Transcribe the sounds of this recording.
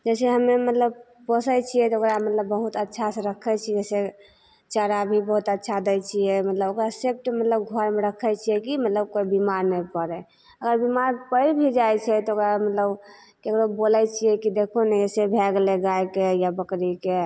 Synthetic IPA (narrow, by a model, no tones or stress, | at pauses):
d͡ʒɛseɦəmːemət̪ləb | pəsəjt͡ʃʰijɛt̪ɔokɾamət̪ləbːəɦut̪ətːʃʰasẽɾəkʰɛt͡ʃʰid͡ʒɛse | t͡ʃəɾabʱibəɦut̪ətːʃʰad̪ət͡ʃʰijɛmət̪ləbokɾaseb̚ʈemət̪ləbɡʱəɾmeɾəkʰɛjt͡ʃʰijɛkimət̪ləb̚koibimaɾnɛpəɾɛ | əɡəɾbimaɾpəlbʱid͡ʒajt͡ʃʰɛt̪ɔokɾamət̪ləb | kekɾobolɛt͡ʃʰijɛkid̪ekʰonɛd͡ʒɛsebʱɛɡleɡajkejabəkɾike